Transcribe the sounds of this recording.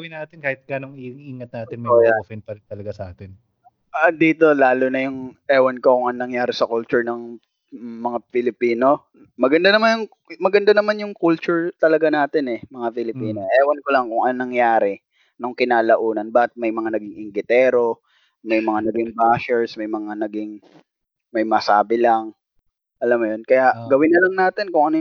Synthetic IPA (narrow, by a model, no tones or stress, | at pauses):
ɡɐwɪnaːt̪ɪnkaːhɪt̪̚ɡ̥aːnoŋiŋiːŋɐt̪̚naːt̪ɪnmɐfɪnpɐɾɪnt̪ɐlɐɡasɐʔaːt̪ɪn | ʔɐd̪iːt̪o̞laːlonɐjʊŋʔɛːwɐnkokʊŋʔɐŋnɐŋjaːɾɪsɐkʊlt͡ʃʊɹnɐŋ | mɐŋapɪlɪpiːno̞ | mɐɡɐnd̪anɐmanjʊŋ | mɐɡɐnd̪anɐmanjʊŋkʊlt͡ʃʊɹt̪ɐlɐɡanaːt̪ɪnɛmɐŋapɪlɪpiːnoʔɛːwɐnkolɐŋkʊŋʔɐnnɐŋjaːɾɛ | noŋkɪnaːlɐʔuːnɐnbahɐt̪̚mɐjmɐŋanɐɡɪŋʔɪŋɡɪt̪ɛːɾo̞ | mɐjmɐŋanɐɡɪŋbaːʃɛɹsmɐjmɐŋanɐɡɪŋ | mɐjmɐsaːbɪlaŋ | ʔɐlamːjonkɐjaʔɡɐwɪnːɐlɐŋnaːt̪ɪnkʊŋʔɐno